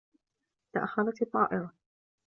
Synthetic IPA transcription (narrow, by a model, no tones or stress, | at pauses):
t̪aʔa̰xɑðˤɑt̪ɑt̪ˤːɑ̰ːʔɪɾˤa